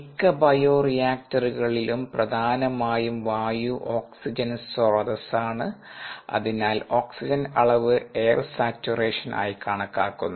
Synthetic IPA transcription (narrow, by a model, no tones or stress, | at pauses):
ikːɐbɐjoːrijaːk̚tɐruɣɐɭilumprɐd̪ʱaːnɐmaːjumʋaːjuʔo̞ːksid͡ʑɐnsordɐsaːɳɨɐ̰ðinaːlo̞ːksid͡ʑɐnɐɭɐʋɨe̞ːrsaːt͡ɕːureːʂɐnʔa̰ːjkaːɳɐkːaːkːunːu